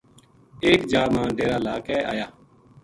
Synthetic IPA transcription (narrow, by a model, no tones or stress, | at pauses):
eːkd͡ʒaːɾmãːɖeːɾaːlaːkɛːʔa̰ːjaː